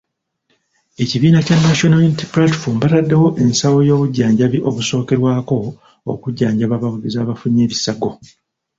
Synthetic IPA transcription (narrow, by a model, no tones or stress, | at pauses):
e̞ciβiːnacanːaʃonalinitiplati̥fombatadːewo̞ʔe̞nsawo̞jo̞ːβuɟːaːɲɟaβiʔo̞βuso̞ːke̞ɾwaːko̞ | o̰kuɟːaːɲɟaβaβawulizaːβafuɲːe̞ːβisaɡo̞